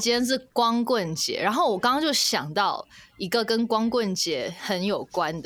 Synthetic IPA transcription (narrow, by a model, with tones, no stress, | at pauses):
t͡ɕɛ˥˦˥nʂ̬ɻ̩˥˩kwɑ˦ŋkwə˥˨nt͡ɕjɛ̰˧˦ɻʔa˨˧˦nxo˥˩ʊwɔ˨˩kɑ˥ŋɑ˥˧ŋt͡ɕjo˥˩ʊɕjɑ˨˩ŋt̪ɑ˥˨ʊi˦˥ɡə˨kə˦nkwɑ˥ŋkwə˥˨nt͡ɕjɛ˨˥hə˧˦njo˨˩ʊkwa˦nd̪ə